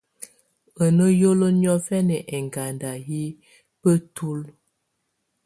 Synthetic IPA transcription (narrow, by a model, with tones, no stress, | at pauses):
ə˨nə˦jo˦lo˦njɔ˦fɛ˦nɛ˨ʔɛ˨ŋɡa˨nda˨ɦi˦ | pə˦tu˦l